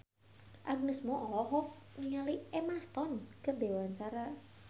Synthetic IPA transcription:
ʔaɡ̚nəsmɔʔɔlɔɦɔniŋaliɛmast̪ɔnkəbewaɲt͡ʃaɾa

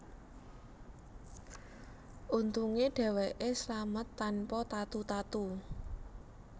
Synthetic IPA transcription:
ʔunt̪uŋeɖ̥ɛ̤weʔeslamət̪ːanpɔt̪at̪ut̪at̪u

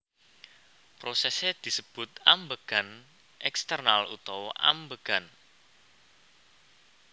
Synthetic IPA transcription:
pɾosɛsed̪̥i̤səb̥ʊ̤t̪ambəɡ̥an | ʔɛkst̪ərnalṵt̪awʔa̰mbəɡ̥an

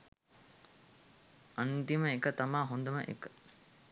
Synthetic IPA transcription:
ʔɐnt̪imɐekɐt̪ɐmaːɦond̪ɐmɐʔḛkə̥

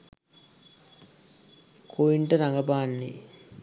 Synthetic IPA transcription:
kʰoiɳʈəɾaŋɡɐbaːnːi

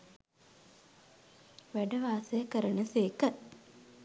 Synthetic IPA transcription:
ʋæɖəʋaːsejəkəɾənəseːkə

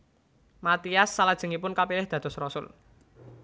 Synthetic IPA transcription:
mat̪iasːalad̥ʒ̥ə̤ŋipʊnkapilɪhd̪̥a̤d̪̥ɔ̤srɔsʊ̰l

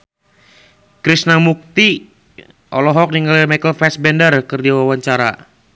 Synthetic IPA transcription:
kɾisnamuk̚t̪i | ʔɔ̰lɔɦɔk̚niŋɡalimajkəlfɛsbɛndərkɨrdiwawaɲt͡ʃaɾa̰

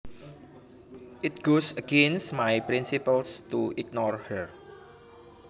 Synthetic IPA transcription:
ʔɪt̪̚ɡ̥osəɡ̥ẽnsmajpɾinsipəlst̪uʔik̚nɔrhəɹ

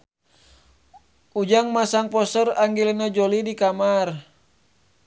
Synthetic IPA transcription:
ud͡ʒaŋmasaŋpɔsəraŋɡilinad͡ʒolidikamar

